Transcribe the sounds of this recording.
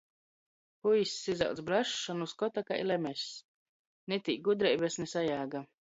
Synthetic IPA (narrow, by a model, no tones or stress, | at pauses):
pujsʲːiza̰wt̪sbɾaʃːɔnuskɔt̪akaḭlˠɛmʲɛsʲ | nɛt̪ik̚ɡud̪ɾɛjbɛsnɛsajaːɡa